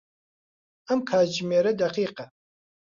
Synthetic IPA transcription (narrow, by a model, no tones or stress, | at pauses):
amkʰaːd͡ʒmeɾɐdaqiːqa